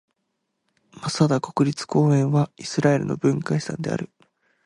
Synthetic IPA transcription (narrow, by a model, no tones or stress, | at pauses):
masad̪ako̞kɯ̟ɾʲit͡sɨ̥ko̞ːẽ̞ɰ̃βaisɨɾae̞ɾɯ̟no̞̰bɯ̟̃ŋkai̥sã̰nd̪e̞̰a̰ɾɯ̟